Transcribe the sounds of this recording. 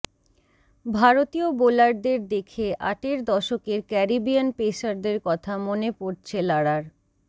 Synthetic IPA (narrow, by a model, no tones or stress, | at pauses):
bʱaɾot̪iobolaɾd̪eɾd̪ekʰeʔa̰ʈeɾd̪ɔʃokeɾkɛɾibijanpeʃaɾd̪eɾkɔt̪ʰamonepoɾt͡ɕʰelaɽaɾ